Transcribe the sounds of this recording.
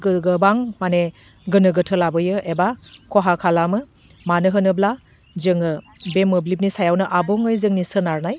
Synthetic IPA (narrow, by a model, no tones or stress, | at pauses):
ɡɯɡɯbaŋmane | ɡɯnɯɡɯtʰɯlabɯjɯʔebakʰɔɦakʰalamɯ | manɯɦɯnɯbla | zɯŋɯbemɯblip̬̚nisajawnɯʔabɔŋɯjzɯŋnisɯnaɾnaj